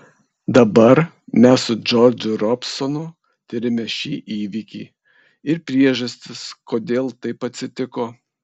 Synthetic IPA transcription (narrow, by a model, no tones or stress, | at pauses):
d̪ɐbɐɾ | mʲæssʊd͡ʒɔɾd͡ʒʲʊɾɔpsɔnʊ | t̪ʲɪɾʲɪmʲɛʃʲiːʔiːʋʲikʲḭː | ɪɾpʲɾʲiɛʒɐsʲt̪ʲɪskoːd̪ʲeːlˠt̪ɐɪpɐt̪ʲsʲɪt̪ʲɪkoː